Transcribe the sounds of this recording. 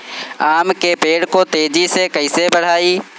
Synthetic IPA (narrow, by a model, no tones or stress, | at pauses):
aːmkepeːɽkot̪eːd͡ʒisekɐɪsebəɽ̤aːiː